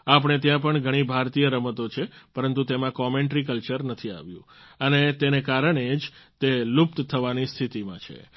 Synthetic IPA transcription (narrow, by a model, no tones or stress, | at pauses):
ap̬əɳ̃et̪̬jãp̬əɳɡʱəɽ̃ibʱaɾt̪ijəɾəmət̪ot͡ʃʰepəɾənt̪ut̪emãkɔmeɳʈɾikəlt͡ʃəɾnət̪ʰia̰ʋjũ | ənet̪enekaɾəɳed͡ʒt̪elup̚t̪t̪ʰəʋanist̪ʰit̪imãt͡ʃʰḛ